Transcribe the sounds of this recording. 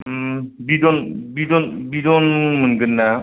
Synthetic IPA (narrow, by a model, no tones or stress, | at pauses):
bidɔnbidɔnbidɔnmɯnɡɯnːa